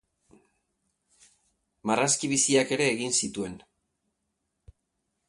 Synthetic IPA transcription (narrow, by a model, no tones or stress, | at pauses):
maraskiβ̞isiake̞ɾe̞ːɣinsit̪ue̞n